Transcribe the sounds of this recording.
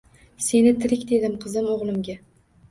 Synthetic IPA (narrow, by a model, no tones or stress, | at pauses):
se̞nɪt̪ʰɪɾɪkʲd̪e̞d̪ɪmqʰɨzɪmoʁlˠɪmɡʲa